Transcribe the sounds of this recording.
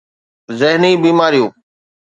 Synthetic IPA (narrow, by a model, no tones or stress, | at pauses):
zəɦniːbiːmaːɾijũː